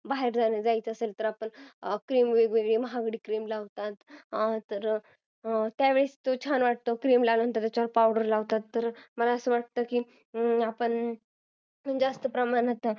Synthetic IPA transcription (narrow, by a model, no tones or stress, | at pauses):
baɦeɾd͡zaned͡zait͡səselt̪əɾapəɳkɾiːmʋeɡʋeɡɭeːməɦaɡɽiːkɾimlaʋt̪at̪t̪ːəɾ | t̪jaʋeɭest̪ot͡ɕʰanʋaʈ̚t̪okɾimlaləənt̪at̪at͡ɕaɾpawɖəɾlaʋt̪at̪ːəɾməlaəsəːʋaʈ̚t̪əːkiː | apəɳ | mənd͡zast̪əpɾəmanat̪a